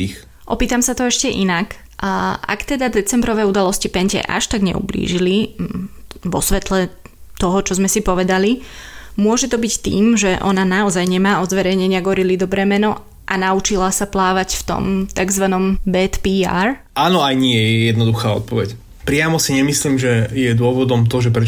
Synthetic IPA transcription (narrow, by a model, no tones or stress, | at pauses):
ix | ʔɔpiːt̪amsat̪ɔɛʃcɛʔḭnak | a̰kt̪ɛd̪ad̪ɛt͡sɛmbɾɔʋɛud̪alɔscipɛɲcɛ̰ʔa̰ʃt̪aɡɲɛ̰ṵblḭːʒili | ʋɔsʋɛt̪lɛ | t̪ɔɦɔt͡ʃɔzmɛsipɔʋɛd̪alimʊɔʒɛt̪ɔbict̪ḭːmʒɛʔɔnanaɔzajɲɛmaːɔzʋɛɾɛjɲɛɲɪaɡɔɾilid̪ɔbɾɛːmɛnɔ | ʔanaut͡ʃilasaplaːʋacft̪ɔ̰mt̪aɡzʋanɔmbɛt̪piːa̰ːɾ | aːnɔajɲɪɛjɛjɛd̪nɔd̪uxaːɔ̰t̪̚pɔʋɛc | pɾɪamɔsiɲɛmisliːmʒɛjɛd̪ʊɔʋɔd̪ɔmt̪ɔʒɛpɾɛ